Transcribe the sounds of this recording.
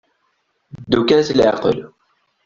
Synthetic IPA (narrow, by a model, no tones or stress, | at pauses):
d̪ːukænθlʕqə̰l